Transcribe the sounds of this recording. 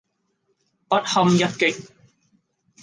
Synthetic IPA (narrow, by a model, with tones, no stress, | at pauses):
pɐ˦˥t̚hɐ˧mjɐ˥t̚kɪ˨k̚